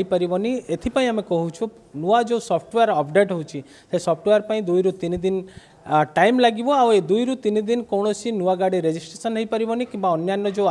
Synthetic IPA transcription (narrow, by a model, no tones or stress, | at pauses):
ipaɾibɔniet̪ʰipaĩamekɔɦut͡ʃʰu | nuad͡ʒosɔpʰʈwejaɾɔpʰɖeʈɦɔut͡ʃʰi | sesɔpʰʈwejaɾpaĩd̪ujɾut̪inid̪in | ʈajmlaɡibɔawed̪ujɾut̪inid̪inkɔwɽ̃ɔsʰinuaɡaɽiɾed͡ʒisʈɾesɔnɦəjpaɾibɔnikĩmbaɔnjanːɔd͡ʒe